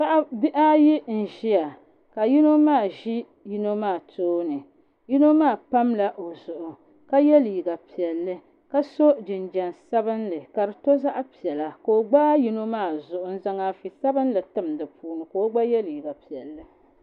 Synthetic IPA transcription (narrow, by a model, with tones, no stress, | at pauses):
pa˦ʔa˦bi˦ʔa˦ji˦n̩˨ʒi˦ja˨ | ka˨ji˦no˦maː˦˨ʒi˦ | ji˦no˦maː˦˨toː˦nɨ˨ | ji˦no˦maː˦˨pa˦mla˨ʔo˨zʊ˨ʔʊ˨ | ka˦jɛ˦li˨ɡa˨pi˨ɛ˨lːɨ˦ | ka˦so˦d͡ʒɪ˨nd͡ʒɛ˨nsa˦bɨ˦nlɨ˨ka˨ɾɨ˨to˦za˦ʔpi˨ɛ˨la˨ko˨o˨ɡ͡baː˦ji˦no˦maː˦˨zʊ˨ʔʊ˨n̩˦za˦ŋa˦fi˨sa˦bɨ˦nlɨ˨tɨ˦mdɨ˨puː˦nɨ˨ko˨˦o˦ɡ͡ba˦jɛ˦li˨ɡa˨pi˨ɛ˨lːɨ˦